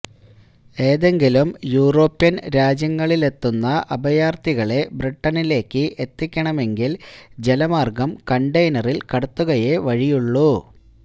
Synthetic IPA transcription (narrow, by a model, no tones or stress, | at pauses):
e̞ːðe̞ŋɡilumjuːro̞ːpːjɐnɾaːd͡ʑjɐŋːɐɭile̞t̪ːunːɐʔɐbɐjaːrt̪iɣɐɭe̞briʈːɐnile̞ːkːɨʔet̪ːikʲːɐɳɐme̞ŋɡild͡ʑe̞lɐmaːrɡɐmkɐɳɖɐjnɐrilkɐɽɐt̪ːuɣɐjeʋɐɻijuɭːu